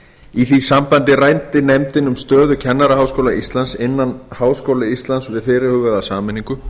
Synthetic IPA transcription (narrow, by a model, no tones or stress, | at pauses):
iθisampant̪ɪrajnt̪ɪnɛmt̪ɪnʏmst̪œːðʏcʰɛnːaɾaɦawskowlaʔist̪lansɪnːanhaːwskowlɪist̪lansvɪðθɪːɾɪhʏːɣʏðasaːmɪnːiŋkʏ